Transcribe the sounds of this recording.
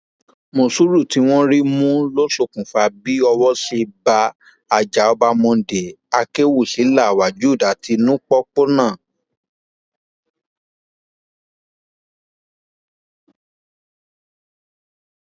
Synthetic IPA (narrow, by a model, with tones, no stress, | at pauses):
mo˧˨su˦ɾu˦˨ti˨˧˦w̃ɔ̃˦ɾi˦mũ˦lo˦ʃo˦˨kũ˨fa˧bi˦ɔ˧wɔ˦se˧ba˧ | a˨d͡ʒa˨ɔ˧ba˧mɔ̃˧˨de˨a˧ke˦wu˦˨ʃi˨˦la˦˨wa˨d͡ʒu˨˦˨da˨˦ti˧nũ˦k͡pɔ˦k͡po˦nãː˦˨